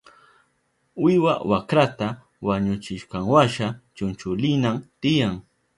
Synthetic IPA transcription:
wɪwa̰wakɾat̪a | waɲʊt͡ʃɪʃqɑŋwaʃat͡ʃʊnt͡ʃʊlɪnamt̪ɪjaŋ

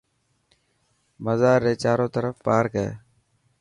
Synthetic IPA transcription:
məzaːɾːeːt͡ʃaːɾõːt̪əɾəfpaːɾkəḛː

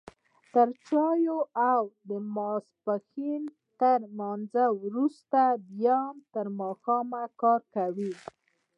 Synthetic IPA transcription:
t̪əɾt͡ʃɑjoawd̪əmɑspaxin | t̪əɾmanzawɾust̪ad̪jɑmt̪əɾmɑxɑmakɑɾkawi

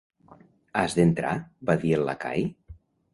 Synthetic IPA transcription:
azðent̪ɾa̰baðielːa̰ka̰j

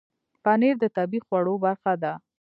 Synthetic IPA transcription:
paneɾd̪ət̪abixwaɽobaɾxad̪a

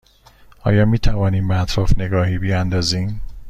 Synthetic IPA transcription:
ɒ̰ːjɒːmiːt̪ʰævɒːniːmbet̪ʰɾɒːfne̞ɡɒːɦiːbijænd̪ɒːziːm

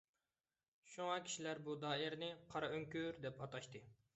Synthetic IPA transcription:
ʃuŋɑkʲʰi̥ʃilæɾbud̪ɑːɪɾnɪqʰɑɾɑøŋkʲyɾd̪ɛpɑt̪ɑʃt̪ɨ

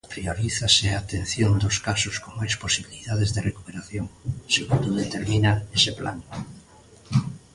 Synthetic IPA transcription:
pɾioɾiθaseaːt̪en̟θjond̪oskasʊskomajsposiβiliðaðezðerekupeɾaθjoŋseɣund̪oðet̪eɾmĩnaesepla̰n

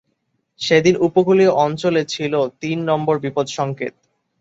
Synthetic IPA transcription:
ʃed̪inupokulioʔɔnt͡ɕolet͡ɕʰilot̪inːɔmboɾbipod̪ʃɔŋkḛt̪̚

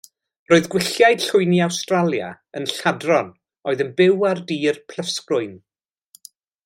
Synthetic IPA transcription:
r̥oːɨðɡwɪɬjajd̥ɬʊɨniawstralˠja̰ | ənɬadrɔn | oɨðənbɪwardiːrpʰl̥əfskrʊɨn

